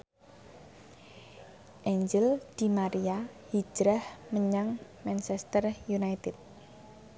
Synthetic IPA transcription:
ʔeɲd͡ʒɪld̪̥i̤maɾiahi̥d͡ʒ̥ɾəhməɲaŋmɛnt͡ʃɛst̪ərjunajt̪ɪt̪̚

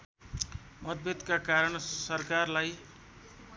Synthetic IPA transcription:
mʌd̪̚bet̪kakaɾʌɳsʌrkarlaj

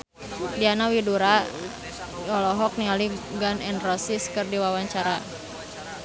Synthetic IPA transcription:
dianawiduɾa | jɔlɔɦɔk̚niŋaliɡanɛnrɔsiskɨrdiwawaɲt͡ʃaɾa

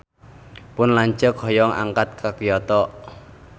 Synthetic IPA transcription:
pʊnlaɲt͡ʃəkʰɔjɔŋa̰ŋkat̪̚kʰakijɔt̪ɔʔ

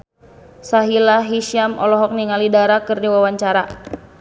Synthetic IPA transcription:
saɦilaɦiʃiamɔ̰lɔɦɔk̚niŋalidaɾakɨrdiwawaɲt͡ʃaɾa

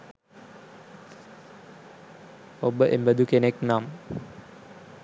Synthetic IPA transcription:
obəʔembəd̪ukeneknaːm

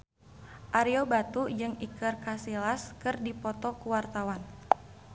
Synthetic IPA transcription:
ʔaɾiobat̪ud͡ʒɨŋikərkasilaskɨrdipɔt̪ɔkuwart̪awan

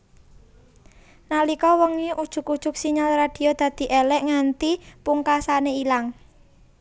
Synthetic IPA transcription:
nalikɔwəŋeʔud̥ʒ̥ʊ̤kud̥ʒ̥ʊ̤k̚siɲalrad̪̥i̤od̪̥ä̤d̪̥i̤ʔelɛʔŋant̪ipuŋkasaneilaŋ

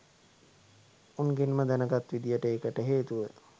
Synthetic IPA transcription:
unɡenməd̪ænəɡat̪ʋid̪ijəʈəeːkəʈəɦeːt̪uʋə

